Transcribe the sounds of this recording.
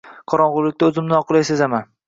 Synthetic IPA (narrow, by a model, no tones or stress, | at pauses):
qʰɒɾɒnʁʊɾlːɪk̚ʲt̪aɵzɪmnɪɒqɨlˠajsezaman